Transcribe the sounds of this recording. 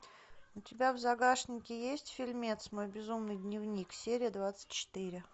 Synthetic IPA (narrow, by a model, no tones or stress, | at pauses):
ʊtʲɪbʲavzɐɡaʂnʲɪkʲɪjesʲtʲfʲɪlʲmʲet̪smojbʲɪzumnɨjd̪ʲnʲɪvnʲiksʲeɾʲɪjəd̪vat̪sɨ̥tʲt͡ɕːɪ̥t̪iɾʲɪ